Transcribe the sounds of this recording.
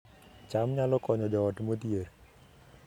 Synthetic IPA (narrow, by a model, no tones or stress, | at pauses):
t͡ʃamɲalɔkɔɲɔd͡ʒɔɔtmot̪jeɾ